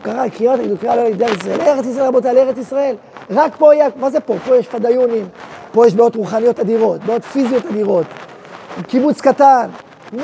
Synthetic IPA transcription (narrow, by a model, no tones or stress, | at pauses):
kaʁakimat̪aɡid̪ukaalolid̪eais̬eleeʁet͡sis̬ʁaelbot̪̬aleeʁet͡sisʁae̞l | ʁakpo̞jamazepo̞po̞jeʃfad̪ajunimpo̞jeʃbeo̞tʁuχanijo̞tad̪iʁo̞tbeo̞tfizijo̞tad̪iʁo̞t̪ | kibut͡skatan